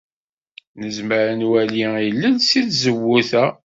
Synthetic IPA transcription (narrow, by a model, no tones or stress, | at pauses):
nəzməɾənwæliilːənsiθzəwːuθæ